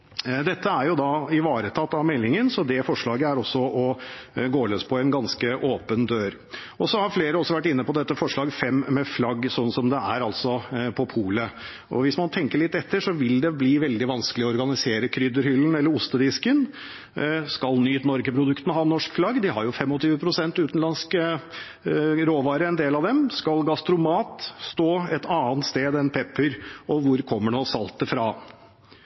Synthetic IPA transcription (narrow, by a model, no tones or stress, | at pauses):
d̪ɛt̪ːəæɾjʊd̪ɑɪʋɑːɾət̪ʰɑt̪ːɑʋmɛlːɪŋənsɔd̪ɛfɔʂɭɑːɡəæɾɔsːɔɔɡoːløspʰɔɛnɡɑnskəʔoːpənd̪øːɾ | ɔsɔhɑɾfleːɾəɔsːɔʋæʈːɪnːəpɔd̪ɛt̪ːəfɔʂɭɑːɡfɛmːɛflɑɡːsɔnːsɔmd̪ɛæɾɑlt̪sɔpʰɔpʰuːlə | ɔ̰ʋɪsmɑnt̪ʰɛŋkəɭɪt̪ːɛt̪ːəʂɔʋɪld̪ɛbliːʋɛld̪ɪʋɑnskəlɪɔɔɾɡɑnɪseːɾəkʰɾʏd̪əɾhʏlːn̩ɛlːəɾʊst̪əd̪ɪskən | skɑlnyːt̪nɔɾɡəpʰɾʊd̪ʉkt̪ənəhɑːnːɔʂkflɑɡːd̪ɪhɑɾjʊfɛmːɔt̪ʰyːʋəpʰɾʊsɛnt̪ʉːt̪n̩lɑnsk | ɾoːʋɑːɾəɛnd̪eːlɑʋd̪ɛmskɑlɡɑst̪ɾʊmɑːt̪st̪oːɛt̪ʰɑːənt̪st̪eːd̪ɛnpʰɛpːəɾɔʋʊɾkʰɔmːəɖɛɔsɑlt̪əfɾɑː